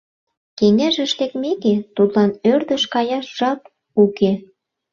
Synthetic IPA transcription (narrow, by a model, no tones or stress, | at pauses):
keŋæʒə̆ʃt̪ekmeket̪ut̪lɑnørd̪ə̆ʃkɑjɑʃʒ̥ɑp | uke